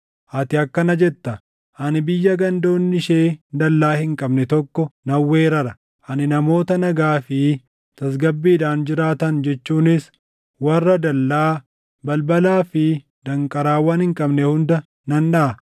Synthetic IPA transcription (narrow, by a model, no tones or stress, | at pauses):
ʔɐt̪ɪɐkːɐnɐd͡ʒɛt̪ːɐ | ʔɐnɪbɪjːɐɡɐnd̪o̞ːnːɪʃe̞ːd̪ɐlːaːhɪŋkʼɐbnɛt̪ɔkːɔnɐwːeːɾɐɾɐ | ʔɐnɪnɐmo̞ːt̪ɐnɐɡaːfɪ | t̪ɐs̬ɡɐbːiːd̪aːnd͡ʒɪɾaːt̪ɐnd͡ʒɛt͡ʃːuːnɪs | wɐrːɐd̪ɐlːaː | bɐlbɐlaːfɪ | d̪̥ɐŋkʼɐɾaːwaːnhɪŋkʼɐbnɛhʊnd̪ɐ | nɐnːɐʔɐ